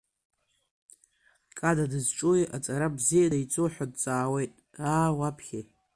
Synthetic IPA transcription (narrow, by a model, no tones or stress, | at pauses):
kʼadadɨzʈ͡ʂʼojat͡sʼaɾabzijadait͡sʼoħʷᶣad̚t͡sʼaːwe̞jtʼaːwapʰχʲej